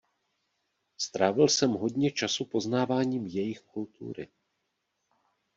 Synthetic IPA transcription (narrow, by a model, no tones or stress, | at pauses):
st̪ɾaːvɪlsɛmɦo̞dɲɛt͡ʃasupo̞znaːvaːɲiːmjɛjɪxkult̪ʰṵːɾɪ̰